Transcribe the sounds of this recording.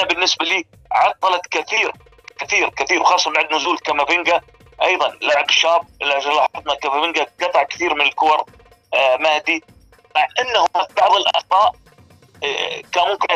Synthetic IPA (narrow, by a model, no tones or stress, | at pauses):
abɪnːɪsbaliː | ʕɑt̪ˤːɑlɑt̪kɪθiːɾ | kɪθiːɾkaθiːɾwxɑːsˤːɑbaʕd̪nʊzuːlkamabɪŋɡa | ʔɑjðˤɑnlaʕabʃaːb̚ʔɪlːaʕʒɑlɑħɑɾt̪ˤnakamabɪŋɡaɡɑt̪ˤɑʕkɪ̥θiːɾmɪnɪlkʊwɑɾˤ | maːd̪i | maʕʔanːahʊabɑʕðˤɪlʔɑ̰ʕt̪ˤɑːʔ | kamʊmkɪna